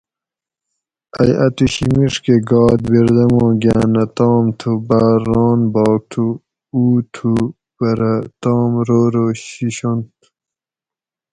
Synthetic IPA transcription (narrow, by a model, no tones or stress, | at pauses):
ɐjɐt̪uɕimiʂkeɡɑːd̪biɾd̪ɐmõːɡaːnɐt̪ɑːmt̪ʰubaːɾːɑːnbɑːk̚t̪ʰu | uːt̪ʰu | bɐɾɐt̪ɑːmɾoːɾoːɕiɕont̪